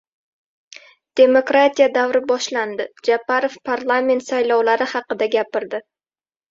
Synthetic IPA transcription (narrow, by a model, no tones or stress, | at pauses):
d̪̥e̞mokɾat̪ʰijad̪awɾɪbɒʃland̪ɪd͡ʒapaɾofpʰaɾlˠame̞nt̪sajlɒwlaɾɪhɑqɨd̪aɡʲapɪɾd̪ɪ